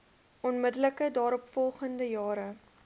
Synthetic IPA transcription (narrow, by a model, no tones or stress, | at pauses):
ʔɔnmədələkədɑːɾɔpfɔlˠχəndəjɑːɾə